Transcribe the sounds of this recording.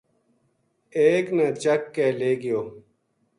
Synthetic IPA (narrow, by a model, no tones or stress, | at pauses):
eːknɐt͡ɕɐkːeːleːɡɪjoː